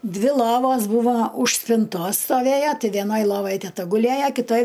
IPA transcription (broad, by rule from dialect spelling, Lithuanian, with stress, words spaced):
ˈdʲʋʲɪ ˈlˠoːʋoːs ˈbuːʋoː ʊʃ sʲpʲɪnˈtoːs stoːˈʋʲeːjɛ tʲɪ ʋʲɛˈnoːj ˈlˠoːʋɐj tʲɛˈtɐ ɡʊˈlʲeːjɛ kʲɪˈtoːj